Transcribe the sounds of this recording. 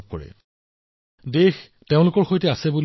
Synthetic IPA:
p̚kɔ̰ɹɛ̰ | dex | teʊ̃lʊkɔɹxojtɛasɛbul

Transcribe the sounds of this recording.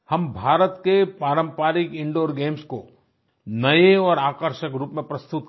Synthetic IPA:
hɐmbʱaːɾət̪kepaːɾə̃mpaːɾɪkɪ̃ɳɖoːɾɡeːmsko | nɐeɔːɾaːkəɾʃəkɾuːpmẽpɾɐst̪ʊt̪

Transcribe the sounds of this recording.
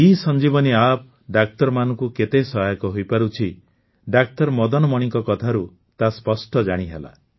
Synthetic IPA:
isɔnd͡ʒibɔniap̚ | ɖak̚tɔɾmanɔŋkuket̪esɔɦajɔkɔɦojpaɾut͡ʃʰi | ɖak̚tɔɾmɔd̪ɔnɔmɔɽ̃iŋkɔkɔt̪ʰaɾu | t̪aspɔsʈɔd͡ʒaɽ̃iɦela̰

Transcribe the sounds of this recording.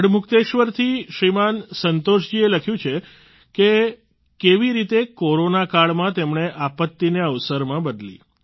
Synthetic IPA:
əɽmʊkt̪eʃʋəɾt̪ʰiʃɾimansənt̪oʃd͡ʒieləkʰjũt͡ʃʰe | ke | keʋiɾit̪ekoɾonakaɭmãt̪emɳeʔapət̪ːineəʋsəɾmãbəd̪lḭ

